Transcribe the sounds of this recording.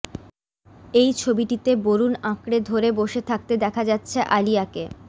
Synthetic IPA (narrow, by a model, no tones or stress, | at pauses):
ejt͡ɕʰobiʈit̪eboɾunãkɽed̪ʱoɾeboʃet̪ʰak̚t̪ed̪ɛkʰad͡ʑatːɕʰeʔalijake